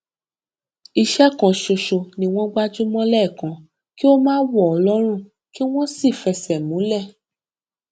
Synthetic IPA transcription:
i˧ʃɛ˦kã˨˧ʃo˧ʃo˧nĩ˧w̃ɔ̃˦ɡ͡ba˦d͡ʒu˦mɔ̃˦lɛ˦˨kã˨˦ | ki˦o˦mãː˦wɔ˦˨ɔ˧lɔ˦ɾ̃ũ˦˨ | ki˦w̃ɔ̃˦si˦˨fɛ˧sɛ˨mũ˨˦lɛ˦˨

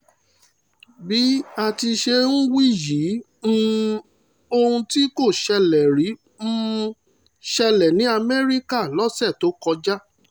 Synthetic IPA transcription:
bi˨˦a˧˨ti˧ʃe˧nũ˦wi˦˨ji˨˦ | m̩˦ | o˧hũ˧ti˦ko˦˨ʃɛ˧lɛ˨ɾĩ˨˦ | ʃɛ˧lɛ˨nĩ˨˦a˧mɛ˦ɾi˦ka˦˨lɔ˦sɛ˦˨to˨˦kɔ˧d͡ʒa˦

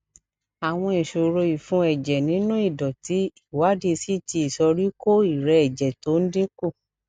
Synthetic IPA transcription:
a˨w̃ɔ̃˧ĩ˨ʃo˨ɾo˧i˨fũ˧˦ɛ˨d͡ʒɛ˨nĩ˨˦nũ˦i˦˨dɔ˨ti˨˦i˦˨wa˨˦di˧si˦ti˧i˨sɔ˧ɾi˦ko˦i˦˨ɾɛ˧ɛ˨d͡ʒɛ˨to˨˦n̩˦de˦ko˦˨

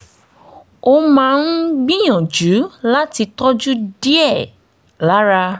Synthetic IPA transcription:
o˦mãː˦˧n̩˦ɡ͡bĩ˦j̃ɔ̃˨d͡ʒu˨˦la˦ti˧tɔ˦d͡ʒu˦di˦ɛ˦˨ | la˨˦ɾa˧

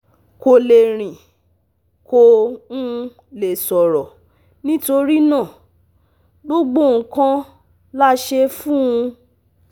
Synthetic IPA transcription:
ko˧le˨ɾ̃ĩ˨ | ko˧ũ˦˧ | le˨sɔ˨ɾɔ˨ | nĩ˦to˧ɾi˦nãː˦˨ | ɡ͡bo˦ɡ͡bõ˦˨˧kã˦ | la˦ʃe˧fũ˦ũ˧

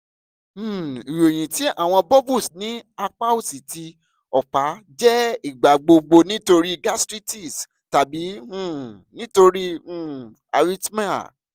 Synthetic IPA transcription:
i˨wo˨j̃ĩ˨ti˨˦a̰˦˨w̃ɔ̃˧bɔ˦bu˦˨snĩ˦a˧k͡pa˦u˦˨si˨ti˧ | ɔ˨k͡pa˨˦d͡ʒɛ˦i˦˨ɡ͡ba˨ɡ͡bo˧ɡ͡bo˧nĩ˦to˧ɾi˦ɡa˦stɾi˦ti˦˨s | ta˨bi˨˦ũ˦˨ | nĩ˦to˧ɾi˦ũ˦˨ | a̰˧ɾi˦tma˦a̰˨

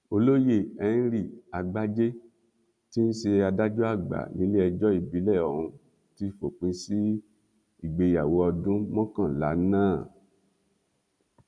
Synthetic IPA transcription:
o˧lo˦je˦˨ɛ˧n̩˦ɾi˦˨a˨ɡ͡ba˦d͡ʒe˦ | ti˦n̩˦ʃe˧a˧da˦d͡ʒu˦a˦˨ɡ͡ba̰˨nĩ˨˦le˦ɛ˧d͡ʒɔ˦i˦˨bi˨˦lɛ˦˨ɔ˨ɾũ˧ | ti˦fo˨k͡pĩ˧˦si˦ | i˦˨ɡ͡be˧ja˨wo˨˦ɔ˧dũ˦mɔ̃˦kã˦˨la̰˨˦nãː˦˨

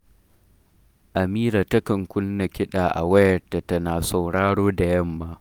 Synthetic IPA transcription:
ʔa˨miː˦ɾaː˨tɐ˦kɐ˨ŋkʷʊ˦nːɐ˨kʲɪ˦ɗaː˨ʔa̰˨wɐ˦jɐ˨rta˨tɐ˦naː˨sa˨wɽaː˦ɽoː˦da˨jɐ˦mːaː˦

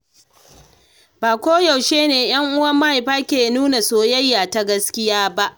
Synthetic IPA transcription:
baː˨kʷoː˦jɐ˨wʃeː˦neː˨j̰ɐ˦ŋʔʊ˦wɐ˦mːɐ˦ha˨ɸaː˦kʲeː˨nuː˦na˨soː˦jɐ˦jːaː˨ta˦ɡɐ˦skʲɪ˦jaː˦ba˦ʔ

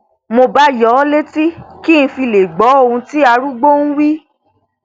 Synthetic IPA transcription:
mo˧ba˦jɔ˨˦le˦ti˦ki˦˨ñ̩˧fi˧le˨ɡ͡bɔ˨˦o˧ũ˧ti˦a˧ɾu˦ɡ͡bo˦n̩˦wi˦

